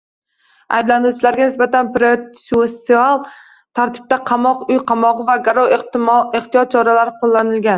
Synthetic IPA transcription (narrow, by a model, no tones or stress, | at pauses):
a̰jblanuwt͡ʃʰɪlaɾɡʲanɪsbat̪ʰanpɾesuest̪ialˠ | t̪ʰaɾt̪ʰɪ̥b̚t̪aqʰɑmɒqʊjqʰɑmɒʁɨvaɡaɾɒweχt̪ʰijɒt̪̚t͡ʃʰɒɾalaɾɪqolˠːanɪlɡʲan